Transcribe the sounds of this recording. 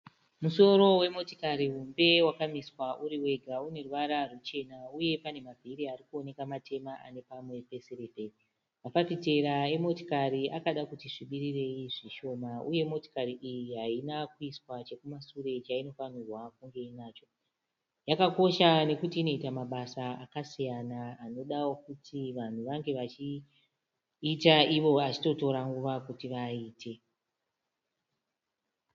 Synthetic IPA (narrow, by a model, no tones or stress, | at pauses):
muso̞ɾo̞we̞mo̞tikaɾiɦumbe̞wakamiswaʔuɾiwe̞ɡʱaune̞ruʋaɾarut͡ʃe̞nauje̞pane̞mavʱiɾiaɾikuo̞ne̞kamatʰe̞maa̰ne̞pamwe̞pe̞seɾebei | mafapite̞ɾae̞mo̞to̥kaɾiakaɗakutiʐiɓiɾire̞iʐiʃo̞mauje̞mo̞to̥kaɾiʔijiɦainakuiswat͡ʃe̞kumasure̞t͡ʃaino̞famirwakuŋɡe̞inaːt͡ʃo̞ | jakako̞ʃane̞kutiːno̞itamaɓasaakasijanaːno̞ɗawokutʰiʋan̤uʋaŋɡe̞ʋat͡ʃi | taiʋo̞at͡ʃito̞to̞ɾaŋɡuʋakutiʋaiːtʰe̞